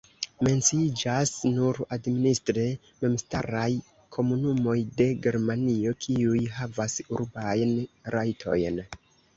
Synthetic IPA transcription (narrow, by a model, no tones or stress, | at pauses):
me̞nt͡siid͡ʒasnuɾadministɾe | me̞msta̰ɾaj | kʰo̞munumo̞jde̞ɡe̞ɾmanio̞kʰiujɦavasuɾbajnɾajtʰo̞̰jn